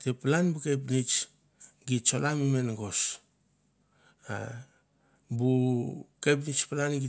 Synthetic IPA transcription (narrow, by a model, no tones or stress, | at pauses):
teplanbukep̬nit͡ʃ | ɡit̚t͡ʃo̞lamime̞nɡo̞s | a̰ | bukep̬nit͡ʃpalanɡi